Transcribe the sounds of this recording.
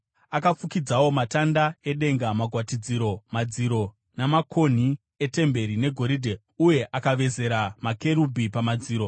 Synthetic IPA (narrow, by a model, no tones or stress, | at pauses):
akap͡fukid͡zawo̞matandae̞ɗe̞ŋɡamaɡʱwatid͡ziɾo̞mad͡ziɾo̞ | namakʰo̞n̤i | e̞te̞mbe̞ɾine̞ɡʱo̞ɾiːdʱe | uje̞ʔakaʋe̞ze̞ɾamake̞ɾubʱipamad͡ziːɾo̞